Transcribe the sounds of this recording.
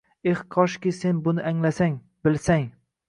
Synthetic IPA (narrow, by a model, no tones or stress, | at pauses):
ehqʰɒʃkʲɪse̞nbʊnɪʔaŋlasaŋ | bɪlsaŋ